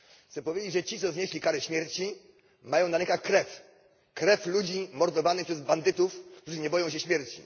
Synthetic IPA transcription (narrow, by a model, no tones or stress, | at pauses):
xsɛpɔvʲjed͡ʑed͡ʑʐɛt͡ɕit̪sɔzɲeɕlʲikaɾɛɕmʲjɛɾt͡ɕi | majɔ̃w̃naɲɛkaxkɾɛf | kɾɛflud͡ʑimɔɾd̪ɔvanɨxpʂɛzband̪ɘt̪ufk̚t̪uʐɘɲɛbɔjɔ̃w̃ɕ̬ɛɕmʲjɛɾt͡ɕḭ